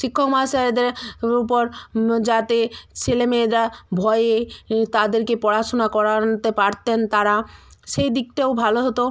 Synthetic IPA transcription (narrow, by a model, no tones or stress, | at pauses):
ʃikʰːokmasaɾd̪eɾup̬oɾd͡ʑat̪et͡ɕʰelemeed̪abʱɔeet̪ad̪eɾkepɔɽat͡ɕonakɔɾat̪epaɾt̪ent̪aɾaʃejd̪ik̚ʈaobʱaloɦot̪o